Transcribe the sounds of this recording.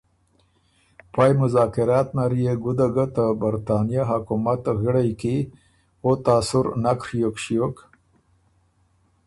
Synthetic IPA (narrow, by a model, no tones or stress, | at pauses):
pɑjmʊzɑːkɪɾɑːt̪naɾijeɡʊd̪aɡat̪abaɾt̪ɑnijaɦakumat̪ɣɪɽajki | ot̪aːsʊɾnakɾjokʃijok